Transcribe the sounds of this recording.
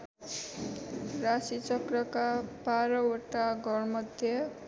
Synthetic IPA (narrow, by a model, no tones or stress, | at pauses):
rasit͡sʌkɾʌkabaɾʌwoʈaɡʌɾmʌd̪ʱjʌ